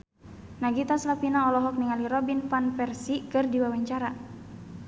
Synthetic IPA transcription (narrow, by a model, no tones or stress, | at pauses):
naɡit̪aslapinaɔlɔɦɔk̚niŋaliɾɔbinfanfɛrsikɨrdiwawaɲt͡ʃaɾa